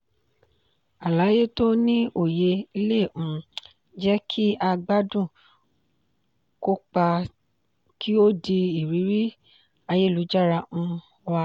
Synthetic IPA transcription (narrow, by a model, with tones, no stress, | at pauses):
a˨la˨˦je˦to˦nĩ˦ʔo˦˨je˧i˧le˦˨ũ˨ | d͡ʒɛ˦kʰi˦ʔa˧ɡ͡ba˦dũ˦˨ | ko˦k͡pa˧ | kʰi˦o˦di˧i˨ɾi˨˦ɾi˦ | a˧je˦˨lu˨˦d͡ʒa˦˨ɾa˧ũ˧˦ | wa˧